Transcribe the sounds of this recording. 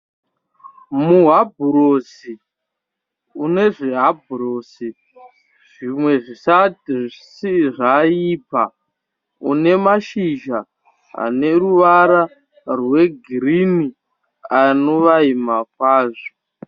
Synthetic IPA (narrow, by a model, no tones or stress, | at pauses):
muɦabʱuɾosi | une̞ʐeɦabʱurosi | ʐ̥imwe̞ʐisatiʐsiʐaiːpa | ṵne̞maʃiʒa | ɦa̰ne̞ruʋaɾa | rwe̞ɡʱirini | ano̞ʋaimak̚waːʐo̥